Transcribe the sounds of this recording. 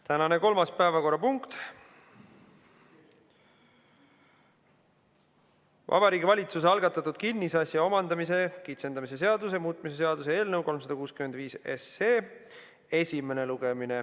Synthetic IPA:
t̪ænɑne̞ko̞lmɑspæevɑko̞rːɑpuŋkt̪ | vʔɑ̰b̥ɑɾiːɡʲivɑlʲit̪sus̬eɑlɡ̥ɑt̪ːˑɑt̪ːˑud̪̥kinʲːisɑsjɑo̞mɑnd̪ɑmise̞kit̪se̞nd̪ɑmis̬e̞s̬e̞ɑd̪us̬emuːt̪̚ˑmise̞se̞ɑd̪̥usee̞ːlnɤwko̞lms̬ɑd̪ɑkuːskyme̞nd̪viːsḛseː | e̞sʲime̞ne̞luɡ̥emine

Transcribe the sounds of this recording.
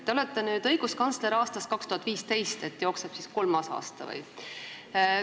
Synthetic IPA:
t̪eolet̪ːe̞nyːd̪̥ɤ̞jɡ̥uskɑnsle̞ɾɑːst̪ɑst̪kɑkst̪uhɑt̪ːˑviːst̪e̞jst̪e̞t̪ːjo̞ːksepsisko̞lmɑsɑ̰ːst̪ɑ̰vɤ̰j

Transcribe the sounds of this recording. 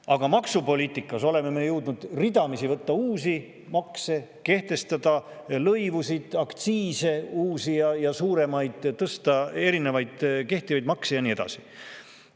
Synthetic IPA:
ɑɡ̥ɑmɑksupo̞lʲiːt̪ːˑikːˑɑso̞le̞me̞me̞jewd̪nud̪̥rid̪̥ɑmisivɤt̪ːɑuːsi | mɑkse̞ke̞ht̪e̞st̪ɑd̪̥ɑ | lɤjvusid̪̥ɑkt̪siːse̞uːsijɑjɑsuːɾe̞mɑjd̪̥t̪ːɤst̪ɑe̞ɾinevɑjd̪̥ke̞ht̪ivɑjd̪mɑksejɑnie̞d̪̥ɑ̰si̥

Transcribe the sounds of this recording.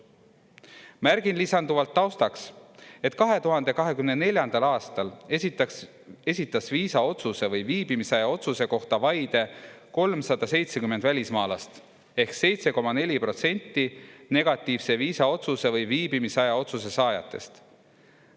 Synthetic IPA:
mæɾɡinlisɑnd̪uvɑlt̪ːɑwst̪ɑkse̞t̪kɑɦe̞t̪uɦɑnd̪e̞kɑɦe̞kymnenelʲjɑnd̪̥ɑlɑːst̪ɑl | e̞sʲit̪ːˑɑsviːsɑo̞t̪suse̞vɤjviːbimisɑjɑo̞t̪suse̞ko̞ht̪ɑvɑjd̪e̞ko̞lmsɑd̪̥ɑse̞jt̪sekymend̪vælʲismɑːlɑst̪ | e̞hkse̞jt̪se̞ko̞mɑne̞lʲipro̞t̪se̞nʲt̪ːˑine̞ɡ̥ɑt̪ˑːiːvse̞viːsɑo̞t̪suse̞vɤjviːbimisɑjɑo̞t̪sus̬e̞sɑːjɑ̰t̪ːˑe̞̰st̪

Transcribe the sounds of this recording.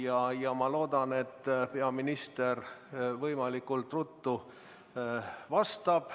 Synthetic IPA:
jɑjɑmɑlo̞ːd̪ɑne̞t̪ːˑpe̞ɑminist̪e̞rvɤjmɑlikːˑult̪ːrut̪ːu | vɑst̪ɑb̥

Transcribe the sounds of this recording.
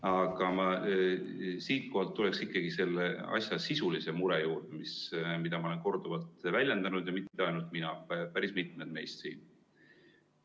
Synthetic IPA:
ɑɡ̥ɑmɑ | siːt̪̚ko̞hɑlt̪ːule̞ksikˑːɑɡ̥ise̞lːeɑ̰sʲjɑsisulise̞muɾejuːrd̪̥emismid̪̥ɑmɑole̞nko̞rd̪̥uvɑlt̪vælʲjend̪ɑnud̪̥jɑmit̪ːe̞ɑjnult̪̚ˑminɑpæɾismit̪̚ˑmed̪̥me̞jst̪sḭːn

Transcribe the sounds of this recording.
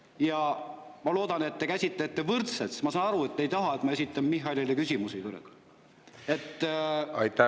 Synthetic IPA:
jɑ | mɑlo̞ːd̪ɑne̞t̪ːekæsʲit̪let̪ːe̞vɯrt̪sesmɑsɑːnɑɾue̞t̪ːejt̪ɑɦɑet̪mɑe̞sʲit̪ːˑɑmmiɦːɑlʲilekysʲimusit̪uɾḛɡ̥ | e̞t̪ːɑjt̪æ

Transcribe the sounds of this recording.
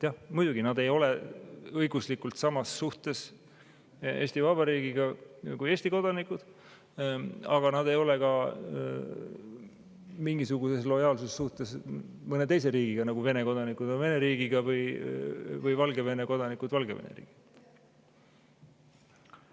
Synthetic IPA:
t̪jɑhmujd̪̥uɡ̥inɑd̪e̞jo̞leɤjɡuslikult̪sɑmɑsːuht̪e̞s | e̞̰ːsʲt̪ivɑb̥ɑɾiːɡiɡ̥ɑkuje̞ːsʲt̪iko̞d̪̥ɑnikːˑud̪̥ | ɑɡ̥ɑnɑd̪e̞jo̞le̞kɑ | miŋɡ̥isuɡ̥use̞slo̞jɑːlsusesːuht̪e̞smɤne̞t̪ejse̞ɾiːɡ̥iɡ̥ɑnɑɡ̥uve̞ne̞ko̞d̪ɑnikˑud̪̥onve̞ne̞ɾiːɡ̥iɡ̥ɑvɤj | vɤjvɑlɡe̞ve̞ne̞ko̞d̪̥ɑnikud̪̥vɑlɡevḛnḛɾḭːɡ̥i̥

